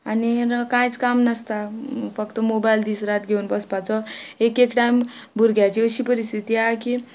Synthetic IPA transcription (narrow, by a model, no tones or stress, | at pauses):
anikãjt͡skamnʌst̪apʰʌkt̪ɔmobajld̪isɾat̪ɡʱeunbʌspat͡sɔekekʈajmbuɾɡjat͡ʃiosipəɾist̪ʰit̪iaki